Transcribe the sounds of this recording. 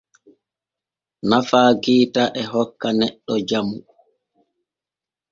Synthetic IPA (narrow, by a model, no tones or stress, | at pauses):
nafaːɡiːtaʔɛɦɔkːanɛɗːɔd͡ʒamu